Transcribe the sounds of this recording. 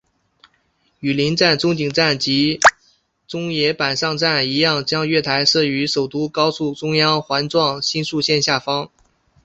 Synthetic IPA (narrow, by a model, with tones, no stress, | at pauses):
y˨˩li˧˥nʈ͡ʂa˥˩nt͡sʊ˥ŋt͡ɕi˨˩ŋʈ͡ʂa˥˩nt͡ɕi˧˥ | t͡sʊ˥ŋjɛ˧˥pa˨˩nʂɑ˥˧ŋʈ͡ʂa˥˩ni˧˥jɑ˥˩ŋt͡ɕjɑ˥ŋɥɛ˥˩t̪ʰa˧˥ɪʂɤ˥˩y˧˥ʂo˨˩ʊt̪u˥kɑ˥ʊsu˥˩ʈ͡ʂʊ˥ŋjɑ˥ŋxwa˧˥nʈ͡ʂwɑ˥˩ŋɕi˥nʂu˥˧ɕjɛ˥˧nɕja˥˩fɑ˥ŋ